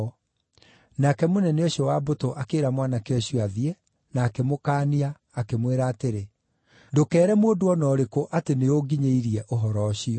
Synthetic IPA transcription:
nakɛmonɛneoɕiɔwabotoʔakeːɾamwanakeɔɕjaðiɛ | naːkemokaːniaː | kemweɾaːteɾe | dokɛːɾɛmoːdoɔnɔːɾekoʔateneoɡiɲeiɾiɛʔoɦɔɾɔɕiɔ

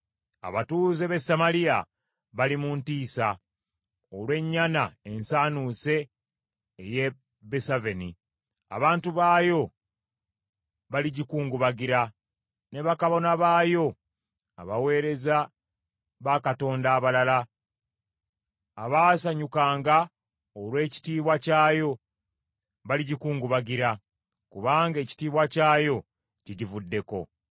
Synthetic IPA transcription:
a̰βatuːzeβe̞samalija | βalimuntiːsa | olwe̞ɲːanae̞nsaːnuːse̞ː | je | besavenḭ | a̰βaːntuβaːjo̞ | βaliɟikuːŋɡuβaɡiɾa | ne̞βakaβo̞naβaːjo̞ | a̰βawe̞ːɾe̞za | βakato̞ːndaːβalala | aβaːsaɲukaːŋɡa | olwe̞ːci̥tiːβwacaːjo̞ | βaliɟikuːŋɡuβaɡiɾa | kuβaːŋɡe̞ːci̥tiːβwacaːjo̞ | ciɟivudːe̞ko̞̰

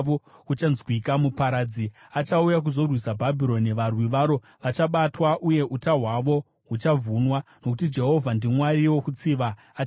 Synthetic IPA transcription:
okut͡ʃanzwikamupaɾaːd͡ziat͡ʃaujak̬uzo̞rwisabʱabʱiɾo̞niʋarwiʋaːɾo̞ | ʋat͡ʃaɓatwaʔuje̞ʔutaɦwaʋo̞ | ɦut͡ʃavʱunwanokutid͡ʒe̞ɦo̞vʱandimwaɾiwo̞kut͡siʋaː

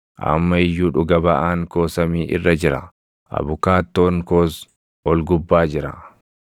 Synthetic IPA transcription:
ʔɐ̰mːɐɪjːuːᶑʊɡɐbɐʔaːŋko̞ːsɐmiːʔɪ̰rːɐd͡ʒɪɾɐ̰ | ʔɐ̰βʊkaːt̪ːo̞ːŋkoːs | ɔlɡʊbːaːd͡ʒɪɾɐ

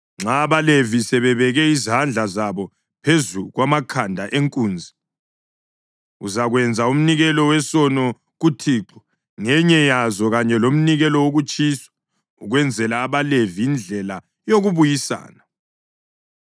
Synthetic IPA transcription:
ŋ͡ǁaːβalevisɛβɛβɛɣɛizand͡ɮʱazaβɔ | pʰezuɣwamakʰandʱaʔeŋkʼuːnd͡zʱi | uzaɣwɛnd͡zʱaum̩niɣɛlɔwɛsɔnɔ | ɣutʰiːǁɔ | ŋɛɲɛjazɔɣaɲɛlom̩niɣɛlɔwoɣut͡ʃʼisɔ̥ | uɣwɛnd͡zʱɛlaːβalevijind͡ɮʱɛla | joɣuβujisa̰ːna

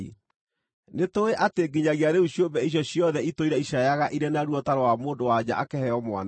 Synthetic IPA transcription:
netoeʔateɡiɲaɣiaɾeuɕjombɛiɕ̬jɔɕjɔðɛitoiɾɛiɕajaɣaʔiɾɛnaɾwɔtaɾɔwamoːndowad͡ʑaʔakɛhɛɔmwa̰n

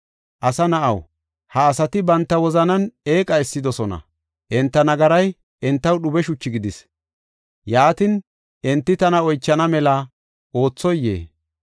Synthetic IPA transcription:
ʔɐsɐnɐʔɐw | hɐːsɐt̪ɪbɐnt̪ːɐwɔzɐnɐne̞ːkʼɐɛsːɪd̪ɔsɔnɐ̰ | ʔɛnt̪ːɐnɐɡɐɾɐj | ʔɛnt̪ːɐwɗʊbɛʃʊt͡ʃːɪɡɪd̪ɪs | jaːt̪ɪn | ʔɛnt̪ːɪt̪ɐnɐɔjt͡ʃːɐnɐmɛlɐ | ʔo̞ːt͡sːɔjːḛː

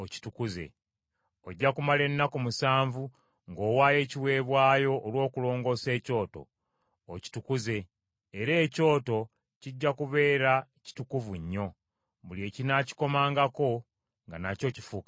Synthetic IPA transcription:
oci̥tukuze̞̰ | o̞ɟːakumale̞nːakomusaːɱvu | ŋɡo̞ːwaːje̞ːciwe̞ːβwaːjo̞ʔːlwo̞ːkulo̞ːŋɡo̞ːse̞ːco̞ːto̞̰ː | ci̥tukuze̞ː | ɾe̞ːco̞ːto̞ | ciɟːakuβe̞ːɾa | ci̥tukuvuɲːo̞ | βulie̞ːcinaci̥ko̞maːŋɡako̞ | ŋɡanaco̞ci̥fukḁ

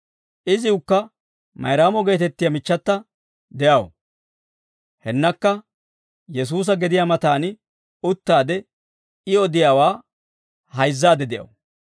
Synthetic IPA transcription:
ʔɪzɪʊkːɐ | mɐ̰jɾaːmɔɡe̞ːt̪ɛt̪ːɪjɐmɪt͡ʃːɐt̪ːɐ | d̪ɛjɐw | hɛnːɐkːɐ | jɛs̬uːs̬ɐɡɛd̪ɪjamɐt̪aːnɪ | ʊt̪ːaːd̪ɛ | ɪɔd̪ɪjaːwaː | hɐjzːaːd̪ɛd̪ɛjɐ̰w

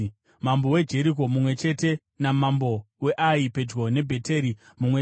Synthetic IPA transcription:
mambowe̞d͡ʒe̞ɾiko̞mumwe̞t͡ʃe̞te̞ | namambo̞ | we̞ʔaipe̞d͡ʒɣo̞ne̞bʱe̞te̞ɾi | mumwe

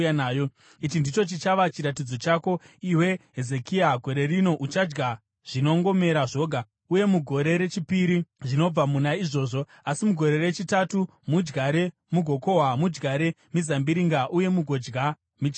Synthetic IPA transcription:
naːjo | it͡ʃindit͡ʃo̞t͡ʃit͡ʃaʋat͡ʃiɾatid͡zo̞t͡ʃako̞ | iwe̞ɦezekiaɡʱo̞ɾe̞rino̞ʔut͡ʃad͡ʒɡa | ʐ̥ino̞ŋɡo̞me̞ɾaʐo̞ɡʱa | uje̞muɡʱo̞ɾe̞ɾe̞t͡ʃipiɾiʐino̞b͡vamunaiʐo̞ːʐo̞ | asimuɡʱo̞ɾe̞re̞t͡ʃitatu | mud͡ʒɡaɾe̞ | muɡʱo̞ko̞ɦamud͡ʒɡaɾe̞ | mizambiɾiŋɡaʔuje̞muɡʱo̞d͡ʒɡa | mit͡ʃ

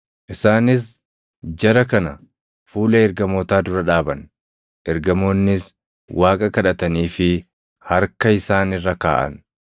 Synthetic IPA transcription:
ʔɪsaːnɪs̬ | d͡ʒɐɾɐkɐnɐ | fuːlɐɛɾɡɐmoːt̪aːd̪ʊɾɐᶑaːbɐn | ʔɛɾɡɐmo̞ːnːɪs | wʔaːkʼɐkɐᶑɐt̪ɐniːfɪ | hɐɾkɐɪsaːnɪrːɐka̰ːʔɐ̰n

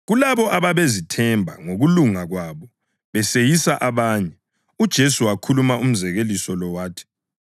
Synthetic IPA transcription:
ɣulaβɔʔaβaβezitʰɛmbʱa̰ŋoɣuluŋaɣwaβɔ | βɛsejisaʔaβaːɲɛ | ud̥ʒ̥ʱesuwakʰulumaum̩zɛɣelisɔlɔwaːtʰi̥

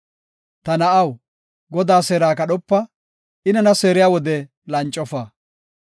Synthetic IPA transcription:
t̪ɐnɐʔɐw | ɡɔd̪aːseːɾaːkɐɗɔpːɐ | ʔɪnɐnɐseːɾɪjaːwɔd̪ɛ | lɐnt͡ʃʼːɔfaː

